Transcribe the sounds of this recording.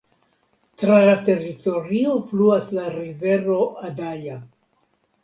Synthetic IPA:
tɾalate̞ɾito̞ɾiofluaslaɾive̞ɾo̞adaja

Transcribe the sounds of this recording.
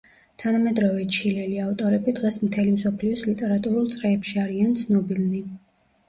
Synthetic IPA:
t̪ʰanamɛd̪ɾɔvɛt͡ʃʰilɛliaft̪ʼɔɾɛbid̪ʁɛsmt̪ʰɛlimsɔpʰliɔslit̪ʼɛɾat̪ʼuɾulˠt̪sʼɾɛːpʃiaɾiant̪sʰnɔbilni

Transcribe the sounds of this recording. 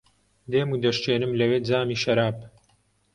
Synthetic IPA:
d̪eːmud̪ɐʃt͡ʃeːnɨmlɐwed͡zaːmiːʃɐɾaːp̚

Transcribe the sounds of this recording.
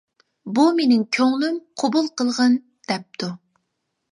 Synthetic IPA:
bumenɪŋkʲʰøŋlymqʰobulˠqəlˠʁən | d̪̥ɛp̚t̪ʰu

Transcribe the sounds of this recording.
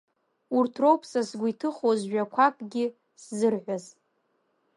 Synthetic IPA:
urtʰrowpʰsasɡʷitʰɨχozʒᶣakʷʰakʼɡʲɪ | szɨrħʷaz

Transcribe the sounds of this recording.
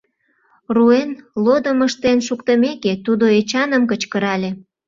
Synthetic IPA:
ruenlod̪əməʃt̪enʃukt̪əmeket̪ud̪oet͡ɕɑnəmkət͡ɕkəɾɑlʲe

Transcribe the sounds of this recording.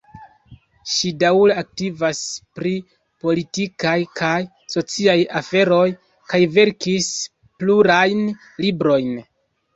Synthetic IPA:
ʃidawleak̚tivaspɾi | po̞litikajkʰaj | so̞t͡siajafe̞ɾo̞j | kajve̞ɾkis | pluɾajn | libɾo̞jn

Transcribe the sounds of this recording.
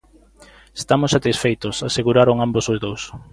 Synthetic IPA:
est̪amʊsːat̪isfejt̪ʊsaseɣuɾaɾoŋambosozðows

